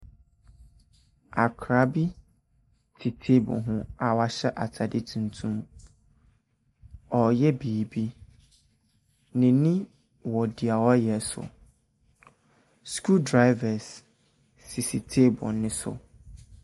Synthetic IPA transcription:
a˨kʰɾa˨˦bi˦ | tʰɪ˨tʰe˦bʊ̰˨ɦʊ̃˦a˨wa˨ɕɛ˦ʔa˨tʰa˨dɪ˦tʰũ˨ntʰũ˦m | ɔ˨jɛ˦biː˨bi˦ | nɪ̃˨nɪ̃˦ | wɔ˨dɪ˨a˨wɔ˦jɛ˨˦sʊ̰˨ | skʰu˦dɾa˦ɪ˦va˨sː | ɪ˨si˨tʰe˦bʊ̰˨nɪ̃˦sʊ̰˨

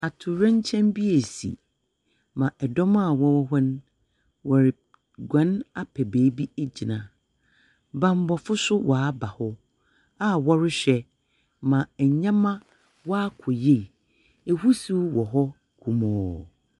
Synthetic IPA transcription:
a˨tʰʊ˨ɾɛ̃˦ɲ˦t͡ɕʰɛ̃˦mbi˦e˨sḭ˨ | mã˨ʔɛ˨dɔ˦mã˦˨wɔ˦wɔ˦ɦɛ˦n˦ | wɔ˨ɾɪ˨ | ɡʷã˨˦na˦pʰɛ˨beː˨˦bi˦e˦d͡ʑi˨nã˨ | bã˨m˦bɔ˨fʊ˦sʊ˦wʔa˨a˦ba˨hʊ˦ | a˦wɔ˦ɾɪ˦ɕᶣɛ˨ | mã˨ɛ˨ɲã˦mã˦ | wɔ˦a˦kʰɔ˨je˦˨ | e˨hu˦su˦wɔ˨ɦɔ˦ | kʰu˨mɔ̃ː˦˨

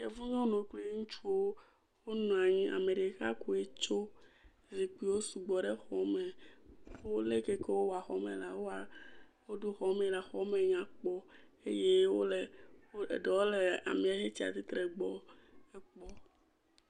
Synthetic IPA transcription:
ke˨vu˦ɲɔ̃˦nũ˨kle˦ŋũ˦t͡ʃu˦wo˦ | wo˦nũ˨a˨ɲĩ˦a̰˨me˨ɖe˨˦ka̰˦ku˦˨e˦t͡ʃo˦ | zi˨k͡pi˦wo˦su˨ɡ͡bɔ˨ɖe˦xɔ˨me˨˦ | o˦le˦ke˦ke˦wo˦wa˨xɔ˦mḛ˨la˨wo˦a˨wo˦ɖo˦xɔ˨mẽ˨la˨xɔ˦me˨ɲ˦ã˨k͡pɔ˦e˦je˦wo˦le˨˦ḛ˨ɖe˨wo˦le˨a̰˨mĩ˨a˨je˦t͡ɕi˦a̰˨t̪i˦t̪ɾe˨ɡ͡bɔ˦e˦k͡pɔ˦

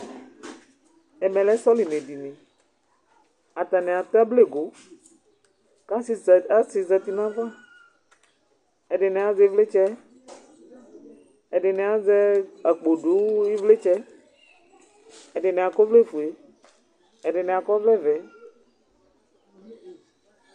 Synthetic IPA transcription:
ɛ˨mɛ̃˨lɛ˦sɔ˦li˨nẽ˨di˨nẽ˨ | a˨t̪a˨nɛ˨a˨t̪a˦ble˦˨ɡo˨ | ka˦sa˦si˨za˨t̪i˨nã˦vã˦ | e˨ɖe˨nɛ˨a˨ze˨˦vle˦t͡ʃɛ˦ | e˨ɖe˨ne˨a˨zɛ˦a˨k͡po˨ɖo˨˦i˦vle˦t͡ʃɛ˦ | ɛ˨ɖe˨nɛ̃˨a˨kɔ˦vle˦fu˨e˨ | e˨ɖe˨nɛ˨a˨kɔ˦vlɛ˦vɛ˨˦

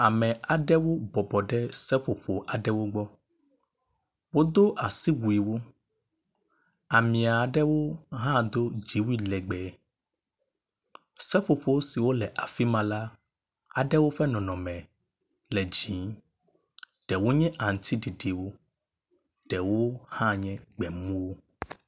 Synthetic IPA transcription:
a˨mɛ̃˨a˨ɖɛ˦wo˦bɔ˨bɔ˨ɖɛ˦sɛ˦ɸo˨ɸo˨ʔa˨ɖɛ˦wo˦ɡ͡bɔ˦ | wo˦d̪o˦ʔa˨si˦wu˨i˨wo˦ | a˨mĩ˨a˨ɖɛ˦wo˦ɦã˦d̪o˦d͡ʒi˨wi˦lɛ˨ɡ͡bɛ˨ | sɛ˦ɸo˨ɸo˦si˨wo˦lɛ˨ʔa˨fi˦mã˨la˦ | a˨ɖɛ˦wo˦ɸɛ˦nɔ̃˨nɔ̃˨mɛ̃˨ | lɛ˨d͡ʑĩ˨˦ | ɖ̥ɛ˨wo˦ɲɛ̃˦ʔa˨ŋ˨t̪ʰi˦ɖi˨ɖi˨wo˦ | ɖ̥ɛ˨wo˦hã˦ɲɛ̃˦ɡ͡bɛ˨mũ˦wo˦

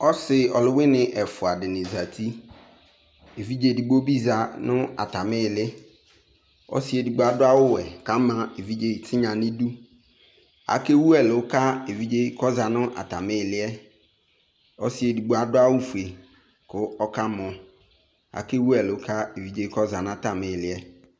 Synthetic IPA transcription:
ɔ˦sɪ˨ɔ˨lʊ˦wɪ˦nɪ̃˨ʔɛ˨fʊ˨a˨dɪ˨nɪ̃˨za˨tʰi˦ | e˨vi˦d͡ʒe˨di˨ɡ͡bo˦bi˦za˨nʊ̃˦a̰˨ta˨mɪ̃˦˨lɪ˦ | ɔ̰˦sɪ˨e˨du˨ɡ͡bo˨a˨dʊ˦a˦wʊ˦wɛ˨kã˦mã˨e˨vi˦d͡ʒe˨tʰɪ˦ɲã˨nɪ̃˦du˦ | a̰˨˦ke˦wu˦ɛ˨lɪ˨wʊ˦ka˦e˨vi˦d͡ʒe˦i˦kɔ˦za˨nʊ̃˦ʔa̰˨ta˨mɪ̃˦˨lɪ˦ɛ˦ | ɔ̰˦sɪ˨e˨du˨ɡ͡bu˨a˨dʊ˦a˦wʊ˦fu˨e˨ | kʊ˨ɔ˦ka˦mɔ̃˨ | a̰˨ke˦wu˦ɛ˨lɪ˨wʊ˦kʰa˦e˨vi˨˦d͡ʒe˦kɔ˦za˨nʊ̃˦a˦˨ta˨mɪ̃˦˨lɪ˦ɛ˦

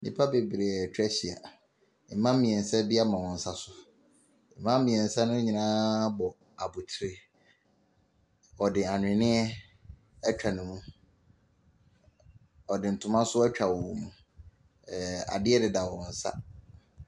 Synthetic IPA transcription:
nḭ̃˦pʰa˦be˨bɾe˨t͡ɕᶣɛ˦ɕi˨a̰˨ | m̩˨mã˦m̩˦mĩ˨ɛ˨n̩˨sɛ˦bi˦a˦mã˨wɔ̃˨n̩˨sa˦sʊ˨ | m̩˨mã˦m̩˦mĩ˨ɛ˨n̩˨sa˦nʊ̃˦ɲĩ˨nãː˦bɔ˨ | a˨bu˨tʰɪ˨ɾɪ˦ | ɔ˨dɪ˨a˨ɲᶣ˨ɪ̃˨nɪ̃˦ɛ˦ | ɛ˦t͡ɕᶣa˨nʊ̃˨mũ˦ | ɔ˨dɪ˨n̩˨tʰʊ̃˦mã˦sʊ˦ɛ˦t͡ɕᶣa˨wɔ˨mũ˨ | a̰˨dɪ˦ɛ˦dɪ˨da˨wɔ̃˨n̩˨sa̰˦

